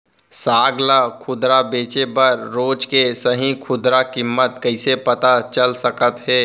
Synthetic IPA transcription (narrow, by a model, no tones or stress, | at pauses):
saːɡlakʰʊd̪ɾabeːt͡ʃebəɾːoːd͡ʒkesəɦĩkʰʊd̪ɾakɪmːət̪kəɪsepət̪at͡ʃəlsəkət̪ɦɛː